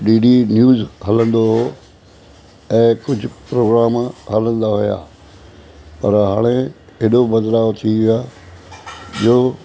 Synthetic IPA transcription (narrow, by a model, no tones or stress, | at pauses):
ɖiːɖinjuːzɦɐlə̃nd̪oɦo | ɛ̃ːkʊd͡ʑʱʊpɾoːɡɾaːmɦələ̃nd̪aɦʊja̰ː | pɐɾɦaːɽ̃e | ɪɗobɐd̪laːt̪ʰiʋɪaː | d͡ʑoː